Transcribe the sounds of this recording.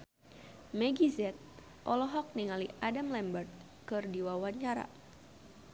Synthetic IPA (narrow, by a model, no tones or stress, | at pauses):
mɛɡizɛt̪̚ | ʔɔlɔɦɔk̚niŋaliʔadamlɛmbərt̪̚ | kɨrdiwawaɲt͡ʃaɾa̰